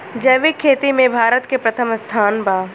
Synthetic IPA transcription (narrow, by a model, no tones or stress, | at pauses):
d͡ʒɐʋɪkʰːeːt̪imẽbʱaːɾət̪kepɾɐt̪ʰəmst̪ʰaːnbaː